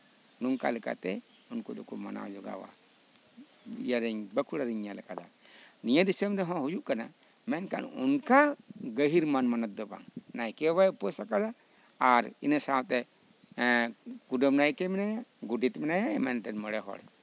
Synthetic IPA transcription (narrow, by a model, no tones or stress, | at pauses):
nuŋka̰lɛka̰t̪ɛ | unkɔd̪ɔkɔma̰na̰d͡ʒɔɡa̰wa̰ | ḭjaɾɛɲbəkʰuɽaɾiɲjalɛkʼad̪a̰nijad̪isəmɾɛɦɔ̃ɦujuʔkana̰ | mɛnka̰nṵnkaɡəɦiɾmanmanət̪̚d̪ɔba̰ŋnajkɛwajpɔsakad̪a | aɾḭnəsawt̪ɛ | kuɖəmnajkɛmɛnajaɡuɖit̪mɛnajaɛmɛnt̪ɛnməɽɛɦɔ̰ɽ